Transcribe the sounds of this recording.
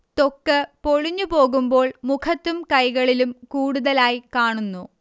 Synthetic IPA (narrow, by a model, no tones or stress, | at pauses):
t̪okːɨpoɻiɲːupo̞ːɣumbo̞ːɭmukʰɐt̪ːumkɐjɣɐɭilumkuːɽuðɐlaːjkaːɳunːu